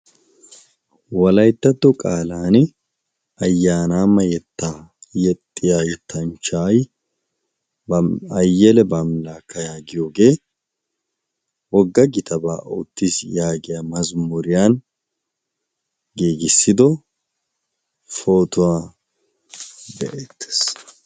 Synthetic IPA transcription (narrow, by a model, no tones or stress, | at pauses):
wɐlɐjt̪ːɐt̪ːɔkʼaːlaːnɪ | ɐjːaːnaːmːɐjɛt̪ːaːjɛt̪ʼːɪjaːjɛt̪ʰːɐnt͡ʃaːj | ɐjːɛlɛbamlaːkːɐjaːɡɪjo̞ːɡe̞ː | wɔɡːɐɡɪt̪ʰɐba̰ːʔot̪ːisjaːɡɪjaːmɐzmʊɾɪjaːn | ɡiːɡɪsːɪd̪ɔ | foːt̪ʊwaː | d̪ɛʔet̪ːe̥s